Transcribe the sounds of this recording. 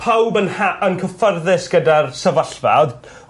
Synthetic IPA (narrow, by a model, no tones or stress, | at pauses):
pʰawbənaənkʰəfərðɪsɡ̥ədarsəvəɬva̰d